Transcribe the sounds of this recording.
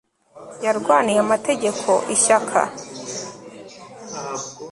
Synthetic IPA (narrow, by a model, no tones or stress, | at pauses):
jaɾɡwaːnijamate̞ɟe̞kʰo̞ʔiʃakʰa̰